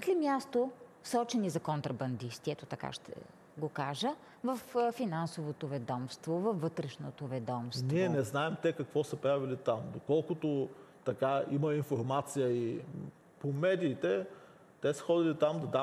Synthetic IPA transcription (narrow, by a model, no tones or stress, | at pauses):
k̪limʲjast̪osɔt͡ʃɛnizɐkont̪ɾɐbɐnd̪ist̪iɛt̪ot̪ɐka̰ʃt̪ʰɛ̰ | ɡokaʒə | vɐffinansovot̪ovɛd̪ɔmst̪vovɐfːɤt̪ɾɛʃnot̪ovɛd̪ɔmstniɛnɛznaɛmt̪ɛkɐkvɔsəpɾavilit̪amd̪okɔlˠkʊt̪ot̪ɐkaiməinfoɾmat̪sijəi | pomɛd̪iːt̪ɛ | t̪ɛsə̥xɔd̪ilit̪amd̪ɐd̪a